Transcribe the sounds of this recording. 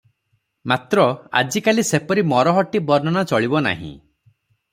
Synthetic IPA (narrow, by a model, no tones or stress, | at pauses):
mat̪ɾɔa̰d͡ʒikalisepɔɾimɔɾɔɦɔʈibɔɾnɔñat͡ʃɔɭibɔna̰ɦḭ̃